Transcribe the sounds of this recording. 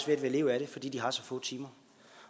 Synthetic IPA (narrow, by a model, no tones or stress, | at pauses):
sʋeɐd̥ʋele̝ːʊæɾ̥e̝fɒ̽d̥ḭːd̥iɦɑ̈sɒ̽fɔ̰ːt͡sʰiːmɐ